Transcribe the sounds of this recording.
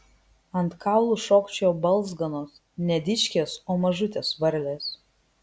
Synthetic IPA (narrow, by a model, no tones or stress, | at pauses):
ɐnt̪kʰɑˑʊlˠuʃoːkt͡ʃʲobɐlˠˑzɡɐnoːs | nʲɛd̪ʲɪʃʲkʲeːsoːmɐʒʊt̪ʲeːsʋɐɾʲlʲeːs